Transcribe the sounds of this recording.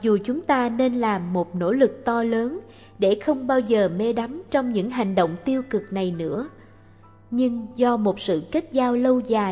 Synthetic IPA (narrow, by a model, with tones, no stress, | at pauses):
zu˨˩t͡ɕʊ˨˦ŋ͡mt̪aː˧ne˧nlaː˨˩mːo˨˩t̚no̰˧˥lɨ˨˩k̚t̪ɔ˧ləː˨˦n | ɗe˧˩xə˧wŋ͡mɓaː˧wzəː˨˩me˧ɗa˨˦mt͡ɕɔ˧wŋ͡mɲɨ̰˧˥ŋɦa˨˩jŋ̟ɗo̰˧˨wŋ͡mt̪i˧əwkɨ˨˩k̚na˨˩jnɨ̰˧˥ə | ɲɨ˧ŋzɔ˧mo˨˩t̚sɨ̰˧˨kə˦˥k̚zaː˧wlə˧wzaː˨˩